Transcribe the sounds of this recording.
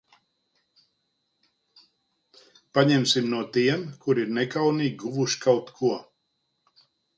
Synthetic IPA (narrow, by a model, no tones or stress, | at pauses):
paɲɛmsimnuɔt̪iɛmkʰuɾiɾnɛkawniːɡʲɡuvuʃkʰawt̪kʰuɔ